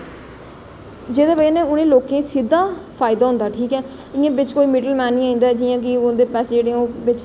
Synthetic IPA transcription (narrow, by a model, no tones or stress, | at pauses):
d͡ʒeːd̪eːʋəd͡ʒeːnẽːʊnẽːloːkẽːsid̪ːãːpʰaːɪd̪aːɦʊ̃nd̪aːʈʰiːkɛː | ɪãːbɪt͡ʃkoːiːmɪɖəlmɛːnːĩːaːĩːnd̪aːɛd͡ʒiːjãːk̬ɪʊ̃d̪eːpɛːseːd͡ʒeːɽeoːbɪt͡ʃ